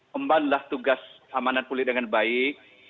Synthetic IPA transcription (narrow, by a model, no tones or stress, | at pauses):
əmbanlaht̪uɡas | amananpulɪt̪̚dəŋanbai